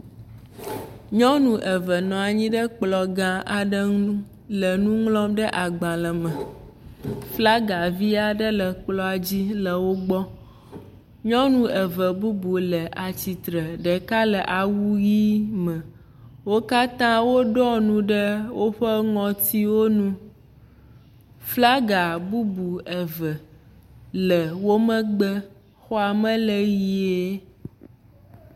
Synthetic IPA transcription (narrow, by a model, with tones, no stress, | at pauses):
ɲɔ̃˦nũ˨ʔə˨və˨nɔ̃˨a˨ɲĩ˦ɖə˦k͡plɔ˨ɡã˦a˨ɖə˦ | lə˨nũ˦ŋlɔ̃˦mɖə˦ʔa˨ɡ͡bã˨lə˨mə̃˨ | fla˦ɡa˨vi˦a˨ɖə˦lə˨k͡plɔ˦a˨d͡ʑi˦lə˨wo˦ɡ͡bɔ˦ | ɲɔ̃˦nũ˦ə˨və˨bu˦bu˨lə˨ʔa˨t͡ɕi˨t̪ɾə˨ɖɛ˨ka˦lə˨ʔa˨wu˦ji˦mə̃˨ | wo˦ka˦t̪ã˦wo˦ɖɔ˦nũ˦ɖə˦wo˦ɸə˦ŋɔ̃˨t̪i˦wo˦nũ˦ | fla˦ɡa˨bu˦bu˨ɛ˨və˨ | lə˨wo˦mə̃˦ɡ͡bə˦ | xɔ˦a˨mə̃˦lə˦ji˦e˦